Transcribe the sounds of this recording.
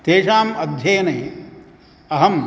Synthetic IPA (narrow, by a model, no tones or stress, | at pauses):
t̪eːʂaːmɐd̪ʱjɐːnɐː | ɐɦɐm